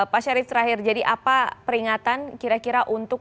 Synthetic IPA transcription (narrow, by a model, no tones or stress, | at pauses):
paʃaɾɪt̪t̪ːəɾaɦɪrd͡ʒadiʔapapəɾiŋat̪ankiɾakiɾaʔunt̪ʊk̚